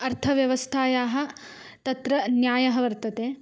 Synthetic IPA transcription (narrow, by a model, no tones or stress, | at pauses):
ɐɾt̪ʰɐʋjɐʋɐst̪ʰaːjaːɦɐ̆ | t̪ɐt̪ɾɐnjaːjɐɦɐʋɐɾt̪ɐt̪eː